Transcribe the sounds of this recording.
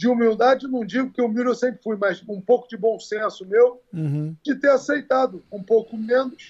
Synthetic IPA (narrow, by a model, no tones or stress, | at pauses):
d͡ʒɪumiwd̪ad͡ʒɪenɐ̃w̃d͡ʒiɡʊkɪewmiɾʊewsẽmpɾɪfujmɐzũpowkʊd͡ʒɪbõw̃sẽsʊmewd͡ʒɪt̪easejt̪ad̪ʊũpowkʊmẽnʊs